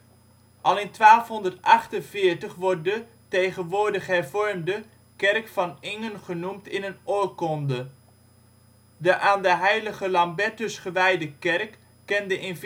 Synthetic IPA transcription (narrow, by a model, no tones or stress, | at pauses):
ʔɑlˠɪntʋaːlˠfɦɔndəɹtɑχtənvɪːɹtəχʋɔɹt̚də | tejχənʋʊːɹdəχəɦɛɹvɔɹmdə | kɛɹkfɑnɪŋənχənumtɪnənɔɹkɔndə | dəʔaːndəɦɛjləχəlɑmbɛtəsχəʋɛjdəkɛrkː | ɛndəʔɪnv